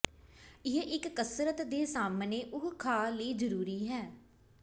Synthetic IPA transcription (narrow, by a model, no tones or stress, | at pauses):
ɪɦʔɪkːəsɾət̪d̪eːsaːmneːʔʊkkʰaːləiːd͡ʒəɾuːɾiːɦɛː